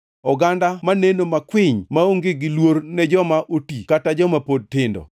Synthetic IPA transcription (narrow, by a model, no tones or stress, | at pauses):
ɔɡandamanenomakwɪɲmaoŋɡɪɡɪlwoɾnɛd͡ʒɔmaʔotikatad͡ʒɔmapod̚tɪndɔ̰